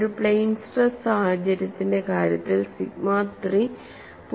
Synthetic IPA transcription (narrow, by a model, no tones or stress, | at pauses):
ɽupɭejnsʈɐsaːhɐd͡ʑɐɾjɐt̪ːinde̞kaːɾjɐt̪ːilsiɡmaːt̪ri | p